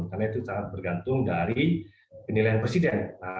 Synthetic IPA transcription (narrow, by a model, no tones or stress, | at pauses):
nkarnait̪usaŋat̪̚bərɡant̪ʊŋdaɾi | pənilajanpɾesidɛn